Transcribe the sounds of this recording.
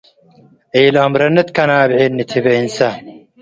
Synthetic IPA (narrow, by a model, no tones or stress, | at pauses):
eːlɐmɾɐnɐt̪kɐnaːbʕeːnːit̪ʰibɐinsa